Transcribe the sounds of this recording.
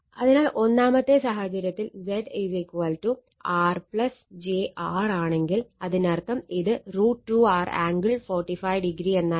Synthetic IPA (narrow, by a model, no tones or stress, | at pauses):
ɐðinaːlʔo̞nːaːmɐt̪ːe̞saːɦɐt͡ɕɐɾjɐt̪ːild͡ʑeɖed͡ʑekːuʋɐlʈu | aːrpɭɐsd͡ʑeʔaːraːɳe̞ŋɡilɐðinɐrt̪ːɐmiðɨruːʈːuaːra̰ːŋɡɨɭfoːrʈːifɐjɖiɡɾienːaː